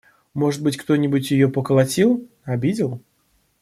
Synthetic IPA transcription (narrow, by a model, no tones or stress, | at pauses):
mɔʐɨt̪bɨt͡sʲkt̪ɔnʲibut͡sʲjɪjɔpɐkɐlˠat͡sʲilˠ | abʲid͡zʲɪlˠ